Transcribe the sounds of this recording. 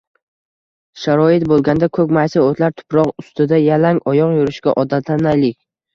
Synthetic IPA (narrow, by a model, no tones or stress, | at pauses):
ʃaɾɒɪt̪̚bolˠɡʲand̪akʰɵkʲmajsaot̪laɾt̪ʰʊ̥pɾɒqʊst̪ɪd̪ajalaŋɒjɒqjʊɾɪʃkʲaʔɒd̪at̪ʰlanajlɪkʲ